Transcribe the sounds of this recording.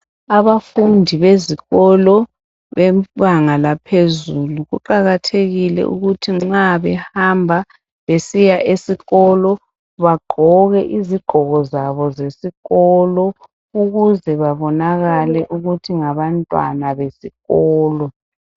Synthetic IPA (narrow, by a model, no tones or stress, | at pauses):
aβafundʱiβeziɣɔlɔ | βɛβaŋalapʰezuluɣuǃaɣatʰeɣilɛ̰ʔṵɣutʰiŋ͡ǁaβɛhambʱa | βesijaʔesiɣɔlɔ | βaɡ͡ǃʱɔɣɛʔiziɡ͡ǃ̥ʱɔɣɔzaβɔzesiɣɔlɔ | uɣuzɛβaβɔnaɣalɛʔuɣutʰiŋaβantʼwa̰naβesiɣɔːlɔ